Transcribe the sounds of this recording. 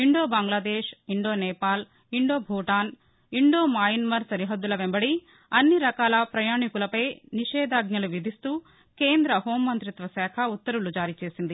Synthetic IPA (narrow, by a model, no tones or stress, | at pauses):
iɳɖoːbaːŋɡlaːd̪eːʂiɳɖoːnɛːpaːl | iɳɖoːbʱuːʈaːn | iɳɖo̞ːmaːjinmɐɾsɐɾiɦɐd̪ːulɐʋembɐɽi | ɐnːiɾɐkaːlɐpɾɐjaːɳikulɐpɐjniʃɛːd̪aːɡnɐluʋid̪ʱist̪u | keːnd̪ɾɐɦoːmːɐnt̪ɾit̪ʋɐsɛːkʰɐut̪ːɐɾulud͡ʒaːɾit͡ʃeːsind̪i